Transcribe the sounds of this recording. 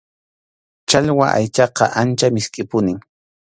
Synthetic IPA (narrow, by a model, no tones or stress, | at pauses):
t͡ʃaʎwaʔa̰jt͡ʃɑqɑʔant͡ʃamɪskʼɪpʊnɪŋ